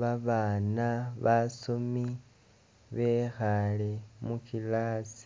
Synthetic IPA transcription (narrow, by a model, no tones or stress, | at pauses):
βaβaːnaβasumi | βexalemukilaːsi̥